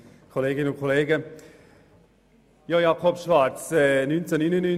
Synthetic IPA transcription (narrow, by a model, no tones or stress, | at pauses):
kʰoleːɡɪnəʊnkʰoleːɡə | jɑjakʰɔbʃvaɾt͡sɛnynt͡sənynəny